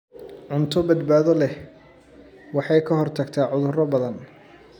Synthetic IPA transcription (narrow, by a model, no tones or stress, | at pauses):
ʕʊnt̪ʰɔbɐd̪baːðɔlɛ | wɑħɑjkʰɐɦɔrt̪ʰɐɡt̪ʰaːʕʊðʊrɐbɐðɐn